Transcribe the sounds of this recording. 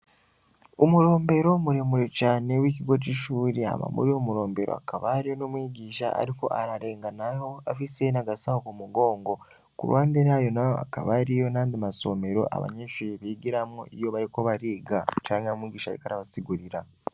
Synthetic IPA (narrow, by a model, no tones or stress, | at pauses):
omuɾo̞ːmbe̞ɾo̞muɾemuɾecanewiːciɡo̞ciʃuːɾea̰ma̰mṵɾio̞muɾo̞ːmbe̞ɾo̰a̰kaβaɾijo̞nomwiːɟiːʃa̰a̰ɾiko̞̰ʔaɾaɾe̞ːŋɡanajo̞afisenaɡasahokumuɡo̞ːŋɡo̞ | kṵɾwʔaːnd̪eɾajo̞najoa̰ka̰βaɾijo̞naːnd̪imaso̞me̞ɾo̞̰ʔa̰βa̰ɲeːʃuɾiβiɡiɾamoʔḭjo̞βaɾikoβaɾiːɡat͡ʃaːɲamwiːɟiːʃaɾḭkaɾaβasiɡuɾiɾa